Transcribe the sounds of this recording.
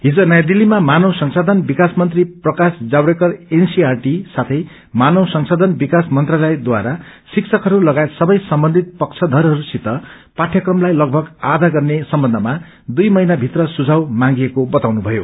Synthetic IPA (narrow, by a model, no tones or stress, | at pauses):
ɦid͡zonʌjad̪ilːimamanʌwsʌŋsad̪ʱʌnbikasmʌnt̪riprʌkasd͡zawɽekʌrensiarʈisat̪ʰʌj | manʌwsʌŋsod̪ʱʌnbikasmʌnt̪ralʌed̪waɾasiksʰʌkɦʌɾulʌɡajet̪sʌbʌjsʌmbʌnd̪ʱit̪̚pʌkt͡sʰʌd̪ʱʌɾɦʌɾusit̪ʌ | paʈʰjʌkrʌmlajlʌɡ̚bʱʌɡad̪ʱaɡʌrnesʌmbʌnd̪ʱʌma | d̪ujmʌjnabʱit̪rʌsud͡zʱawmãŋɡiekobʌt̪awnubʱʌjo̰